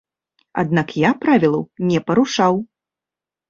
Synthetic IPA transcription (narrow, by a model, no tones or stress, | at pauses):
a̰d̪nakjapɾavʲilˠɐwnʲɛpɐɾuʂaw